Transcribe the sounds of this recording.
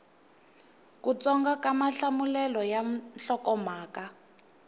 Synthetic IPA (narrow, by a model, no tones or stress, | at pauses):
kut͡sɔŋɡakamaɬamulɛlɔjaɬɔkɔmaːka